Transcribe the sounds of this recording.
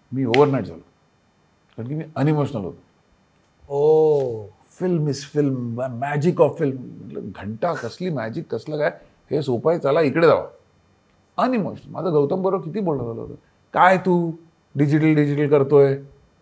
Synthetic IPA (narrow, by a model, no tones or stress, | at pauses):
miːoʋəɾnaiʈ̚d͡zʱa̰lo | kaɾɳkimiːənimoɕənəlɦo̰t̪o | o | filmisfilmmæd͡ʑikɔʋfilmmə̰ʈlə̰ɡʱəɳʈakəsliːmæd͡ʑikːəsləkaj | hesopajt͡salaikɽed͡za̰ʋa̰ | ənimoɕənəlma̰d̪aɡəwt̪əmbəɾokit̪iːbolʈəd͡zalə̰ɦo̰t̪o̰ | kajt̪uː | ɖid͡ʑiʈ̬əlɖid͡ʑiʈəlkəɾt̪oe